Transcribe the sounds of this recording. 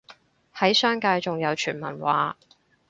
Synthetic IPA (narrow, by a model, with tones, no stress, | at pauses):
hɐ˨˥jsœː˥ŋkaː˧jt͡ʃʊ˨ŋjɐ˨˧wt͡ʃʰyː˨˩nmɐ̰˨˩nwaː˨˥